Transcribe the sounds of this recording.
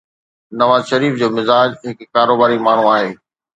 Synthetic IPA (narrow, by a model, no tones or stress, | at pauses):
nɐʋaːzʃɐɾiːfd͡ʑoːmɪzaːd͡ʑɦɪkkaːɾoːbaːɾimaːɳ̤ũaːɦeː